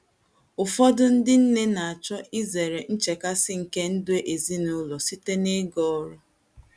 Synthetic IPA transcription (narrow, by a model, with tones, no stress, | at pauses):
ʊ˨fɔ˦dʊ˦n̩˦dɪ˦n̩˦ne˦na˨a˨t͡ʃɔ˦ʔi˦ze˨ɾe˨n̩˦t͡ʃe˨ka˦sɪ˦ŋ̩˨ke˦n̩˦dʊ˦e˦ʔe˨zi˦nʊ˦lɔ˨si˦te˦ne˦ɡɔ˦ɔ˦ɾʊ˦